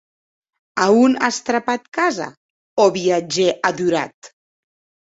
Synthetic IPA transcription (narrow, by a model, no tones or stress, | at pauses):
auna̰st̪ɾapat̪kaza̰ | oβiad͡ʒeʔad̪uɾa̰t̪